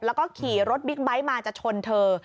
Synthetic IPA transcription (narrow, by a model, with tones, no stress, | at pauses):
p̚lɛ˦˥wkɔː˥˩kʰiː˨˩˦ɾo˦˥t̪̚bi˦˥k̚ba˦˥jmaː˧t͡ɕaː˨˩k̚t͡ɕʰo˧nt̪ʰɤː˧